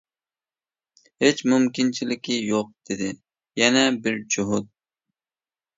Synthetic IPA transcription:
het͡ʃmʊmkʲint͡ʃʰilɪkʲijoq̚d̪̥ed̪ɪ | jɛnɛbɪɾd͡ʒʊɦʊt̪̚

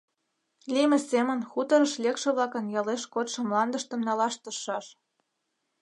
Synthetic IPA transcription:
lʲimĕsemə̆nxut̪ɤ̆ɾə̆ʃlʲekʃĕβlɑkə̆njɑleʃkot̪ʃɤ̆mlɑnd̪ə̆ʃt̪ə̆mnɑlɑʃt̪ɤʃːɑʃ

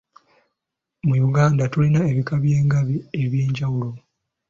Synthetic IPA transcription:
mujuɡaːndatulinae̞βikaβje̞ːŋɡaβie̞βjeːɲɟawulo̞

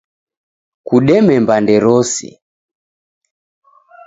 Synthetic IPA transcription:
kuɗɛmɛmbandɛɾɔsḭ

